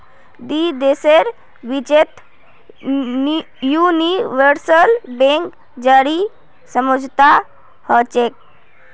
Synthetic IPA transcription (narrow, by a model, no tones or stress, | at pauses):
d̪id̪eseɾ | ʋit͡ʃet̪ | juniʋəɾsəlbẽŋk | d͡ʒaɾi | səmod͡ʒʱt̪a | hət͡ʃek̚